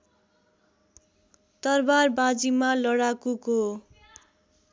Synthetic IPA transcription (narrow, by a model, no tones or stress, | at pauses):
d̪ʌrbarbad͡zimalʌɽakuko